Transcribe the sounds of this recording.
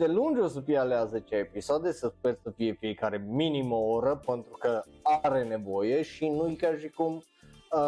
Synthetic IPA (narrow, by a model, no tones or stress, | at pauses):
d̪e̞lund͡ʒos̬əfijealeazet͡ʃʲaepisoad̪e̞səspeɾsəfije̞fiekaɾe̞miniməoɾəpent̪ɾukəaɾe̞ne̞vo̞je̞ʃinujkaʃikum